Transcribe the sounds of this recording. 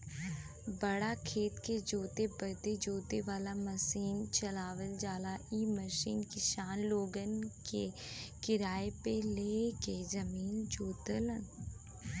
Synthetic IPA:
bəɽakʰeːt̪ked͡ʒoːt̪ebət̪ed͡ʒoːt̪eʋaːlaməsiːnt͡ʃəlaːʋəld͡ʒaːlaiːməʃḭːnkɪʃaːnloːɡənkekɪɾaːepeleːkezɐmiːnd͡ʒoːt̪ələn

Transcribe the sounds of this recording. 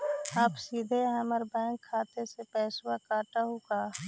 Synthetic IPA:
aːpsiːd̪ʱeəməɾbɛ̃ːŋkʰːaːt̪esepɛːswakaːʈaɦukaː

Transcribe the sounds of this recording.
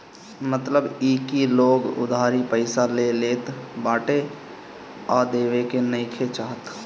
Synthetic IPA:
mət̪ləbiːkiloːɡʊ̰d̪ʱaːɾipəɪsaleleːt̪baːʈe | ɔːɾd̪eːwekenəɪkʰet͡ʃaːɦət̪

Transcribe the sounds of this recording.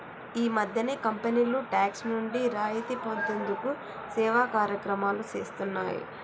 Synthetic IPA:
iːmɐd̪ʱjɐneːkɐmpeniːluʈaːksnuɳɖiɾaːjit̪ipont̪e̞nd̪uku | sɛːʋaːkaːɾjɐkɾɐmaːlut͡ʃḛːst̪unːa̰ːjḭ

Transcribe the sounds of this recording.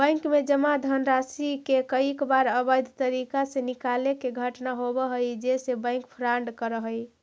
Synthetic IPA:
bə̃jŋkmed͡ʒəmad̪ʱənɾasikekəikbaɾəbəjd̪ʱt̪əɾikasenikalekeɡʱəʈnaɦobəɦəjd͡ʒesebə̃j̃ŋkpʰɾaɳɖkəɾəɦəj

